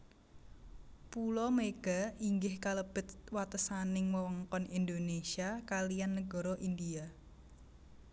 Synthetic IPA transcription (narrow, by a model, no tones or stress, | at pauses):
pulɔmeɡ̥a̤iŋɡɪhkaləb̥ɪ̤t̪wat̪əsanɪŋwəwɔŋkɔnind̪onesiakalijanːəɡ̥ɔ̤ɾɔʔind̪ia